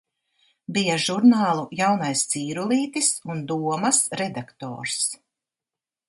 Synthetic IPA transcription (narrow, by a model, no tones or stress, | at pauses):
bijaʒuɾnaːlˠujawnajst̪siːɾulˠiːt̪isund̪uɔmɐsɾɛd̪akt̪ɔ̰ːɾs